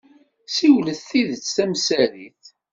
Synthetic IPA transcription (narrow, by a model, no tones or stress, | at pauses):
siwləθiðət͡sːθæmsæɾiθ